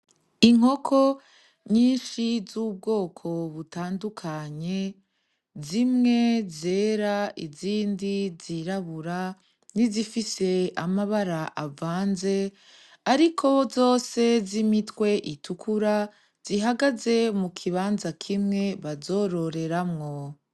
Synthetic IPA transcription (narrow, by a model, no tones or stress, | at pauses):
iŋ̥o̞kʰo̞ | ɲiːnʃizuːb̚ɡo̞ːkʰo̞βutaːndukʰaɲe̞ | zimŋe̞ze̞ːɾaiziːndiziɾaβuɾa | nizifise̞amaβaɾaʔavaːnze̞ | aɾikʰo̞zo̞ːse̞zimitwe̞ʔitʰukʰuɾa | z̥iɦaɡaze̞mukʰiβaːnzakʰimŋe̞βazo̞ɾo̞ɾe̞ɾamŋo̞